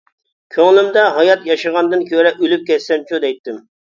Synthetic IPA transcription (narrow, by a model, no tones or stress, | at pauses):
kʲʰøŋlˠɪmd̪ɛɦɑjɑt̪jɑʃɨʁɑnd̪ɨnkʲʰøɾɛʔylyp̚kʲɛsːɛnt͡ʃʰud̪ɛjt̪ːɪm